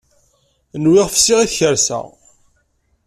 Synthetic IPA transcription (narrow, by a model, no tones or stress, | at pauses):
nwɪʁfsɪʁiθçəɾsæ̰